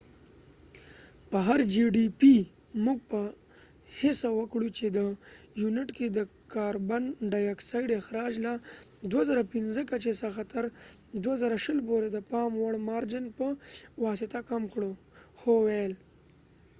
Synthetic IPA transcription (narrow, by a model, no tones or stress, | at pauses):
pəɦaɾd͡ʒiɖipi | muɡ̚pə | hɪsawəkɽut͡ʃed̪əjunɪʈked̪əkɑɾbanɖɑjaksajɖɪxɾɑd͡ʒlad̪wazaɾapɪnzəkat͡ʃesəxat̪aɾd̪wazəɾaʃəlpoɾed̪əpɑmwəɽmɑɾd͡ʒɪnpəwɑsɪt̪akamkɽo | xowajl